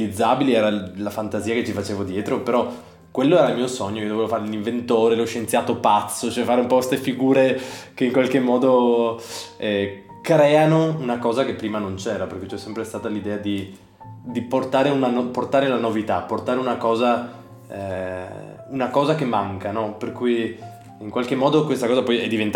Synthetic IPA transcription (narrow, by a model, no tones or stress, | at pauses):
lid̪zːaːbiliɛːɾalafant̪aziːaket͡ʃːifat͡ʃeːvod̪jɛːt̪ɾopeɾɔ | kːwelːoɛːɾailmiːosoɲːoiod̪ovevofaɾeliɱvent̪oːɾeloʃːent̪sjaːt̪opat̪sːot͡ʃɛfaːɾeumpɔkwest̪efiɡuːɾekeiŋkwalkemːɔːd̪o | ɛ | kɾɛːanounakɔːzakepːɾiːmanont͡ʃɛːɾaperkujt͡ʃɛsːɛmpɾest̪aːt̪alid̪ɛːad̪i | d̪iport̪aːɾeunanoport̪aːɾelanovit̪apːort̪aːɾeunakɔːza | ɛ̰ | unakɔːzakemːaŋkanɔperkuj | iŋkwalkemːɔːd̪okwest̪akɔːzapɔjɛd̪ːivent̪